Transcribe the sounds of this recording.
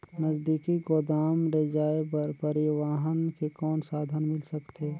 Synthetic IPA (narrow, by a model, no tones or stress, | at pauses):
nəzd̪iːkiɡoːd̪aːmɾed͡ʒaːepɐɾpɐɾɪʋaːɦənkekɔːnsaːd̪ʱənmɪlsɐkt̪eː